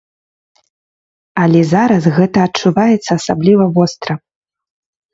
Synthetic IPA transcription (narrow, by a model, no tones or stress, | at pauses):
ɐlʲɛzaɾɐsɣɛt̪ɐːt͡ʂːuvajɛt̪sːɐːsablʲivɐvɔst̪ɾɐ